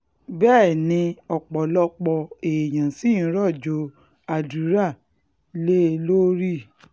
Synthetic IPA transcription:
bɛː˦˨nĩ˧ɔ˨k͡pɔ˨lɔ˧k͡pɔ˧e˨j̃ã˨si˦n̩˦ɾɔ˦˨d͡ʒo˧˦ | a˨du˨˦ɾa˦˨ | le˦˧lo˦ɾi˦˨

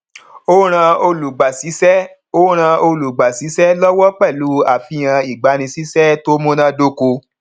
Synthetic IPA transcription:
o˦ɾ̃ã˧o˧lu˨ɡ͡ba˨si˨˦sɛ˦ | o˦ɾ̃ã˧o˧lu˨ɡ͡ba˨si˨˦sɛ˦lɔ˦wɔ˦k͡pɛ˦˨lu˨˦a˨fi˧j̃ã˧i˨ɡ͡ba˨˧˦ɾ̃ĩ˧si˦sɛ˦to˦mo˦nã˦do˧˦ko˧

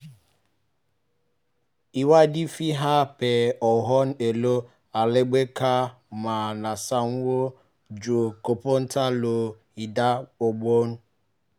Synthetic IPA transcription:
i˨wa˦di˦fi˦ɦa˦pe˨ɔ˨ɦɔ˦n̩˦e˨lo˦ | a˨le˦ɡ͡be˦ka˦ | ma˨na˨sa˦ŋ̩˦wo˦ | d͡ʒo˨ko˨po˦n̩˦ta˦lo˨ | i˨da˦o˨ɡ͡bo˦n̩˦

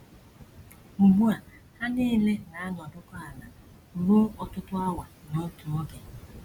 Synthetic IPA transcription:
u˨ɦu˦a˨ | ha˦niː˦le˦na˨a˦n˨ɔ˨dʊ˦kɔ˦a˨la˨ | ɾo˦ɔ˨tʊ˦tʊ˦a˦wa˨no˦tu˨o˦ɡe˨

